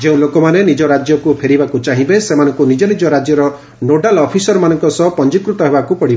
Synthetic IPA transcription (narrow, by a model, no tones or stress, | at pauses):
d͡ʒeũlokɔmanenid͡ʒɔɾad͡ʒjɔkupʰeɾibakut͡ʃaɦibesemanɔŋkunid͡ʒɔnid͡ʒɔɾad͡ʒjɔɾɔ | noɖalɔpʰisɔɾɔmanɔŋkɔsɔpɔnd͡ʒikɾut̪ɔɦebakupɔɽiba